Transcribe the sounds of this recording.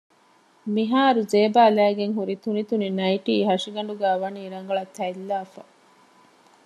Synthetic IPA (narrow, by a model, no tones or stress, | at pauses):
miɦaːɾuzeːbaːlæːɡeŋɦuɾit̪unit̪uninɐiʈiːɦɐʂiɡɐɳɖuɡæːʋɐniːɾɐŋɡɐɭɐt̪ʰːɐilːaːfɐ